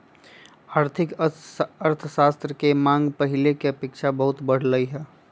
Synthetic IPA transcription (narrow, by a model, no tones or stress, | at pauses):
aːɾt̪ʰɪk | əɾt̪ʰəʃaːst̪ɾəkemãːŋɡpɐɦɪlekeɐpeːkʃʰabɐɦʊt̪bəɽ̤ləiɦɛː